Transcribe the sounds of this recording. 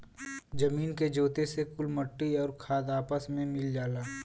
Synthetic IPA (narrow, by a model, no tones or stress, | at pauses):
d͡ʒɐmiːnked͡ʒoːt̪esekʊlməʈːiɔːɾkʰaːd̪aːpəsmẽmɪld͡ʒaːlaː